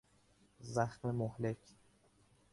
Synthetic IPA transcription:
zæxmemohle̞cʰ

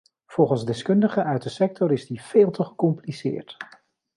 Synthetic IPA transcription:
v̥ɔlˠχənzdɛskɵndəχəʔœɥt̚dəsɛk̚tɔɾɪzdiv̥eːlˠtəχəkɔmplisɪ̰ːɹt

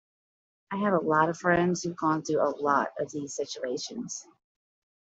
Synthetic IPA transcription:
aɪɨvəlɔɾʌv̥fɹɛ̃ndz̥hʉvɡɔ̃nθʉəlɔ̰ɾʌvðiz̥sɪt͡ʃueɪʃɨ̃nz̥

